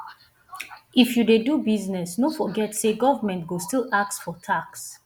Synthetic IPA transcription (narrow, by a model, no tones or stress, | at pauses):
ifjudedubiznɛsnofɔɡɛtseɡɔvamɛ̃ntɡostilak̚tsfɔtʰaks